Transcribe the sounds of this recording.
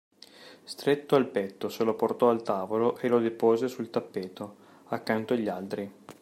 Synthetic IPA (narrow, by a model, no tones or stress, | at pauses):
st̪ɾet̪ːoalpɛt̪ːoseloport̪ɔalt̪aːvoloʔelod̪epoːzesult̪apːeːt̪o | akːant̪oaʎːalt̪ɾi